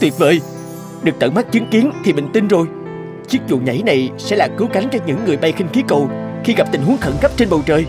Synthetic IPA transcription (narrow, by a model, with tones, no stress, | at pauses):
t̪wi˨˩t̚və̰ː˧˨j | ɗɨ˨˩k̚t̪ə̰˧˩ŋma˦˥t͡ɕɨ˨˦ŋki˨˦ənt̪ʰi˨˩ɓï˧˨ŋ̟t̪i˧nzo˨˩j | t͡ɕi˦˥ək̚zṵ˧˨ɲa̰˧˦jna˨˩jsɛ̰˧˥laː˨˩kɨ˨˦wka˨˦ŋ̟t͡ɕɔ˧nɲɨ̰˧˥ŋːɨ˨˩əjɓa˧jxi˧ŋ̟xi˨˦ko˨˩wxi˧ɣa˨˩p̚t̪i˨˩ŋhu˨˦əŋxə̰˧˩nkp̚t͡ɕe˧nɓə˨˩wt͡ɕəː˨˩j